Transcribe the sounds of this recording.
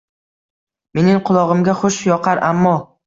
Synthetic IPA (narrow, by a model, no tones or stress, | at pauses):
me̞nɪŋqʰʊlˠɒʁɨmɡʲaχʊʃjɒqʰaɾʔamːɒ